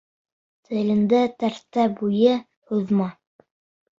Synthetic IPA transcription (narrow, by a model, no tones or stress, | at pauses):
t̪ʰɘ̆lɘ̆nd̪æt̪æɾt̪ːæbujɘ | huðmɑ